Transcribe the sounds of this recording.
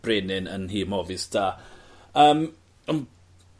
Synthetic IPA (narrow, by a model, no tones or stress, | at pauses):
b̥renɪnə̰nɦiːmɔvɪsd̥aːəːm | ən